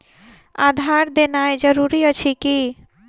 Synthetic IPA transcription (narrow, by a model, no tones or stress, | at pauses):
a̰d̪ʱaɾd̪enajd͡ʒəɾuɾiət͡ʃʰiki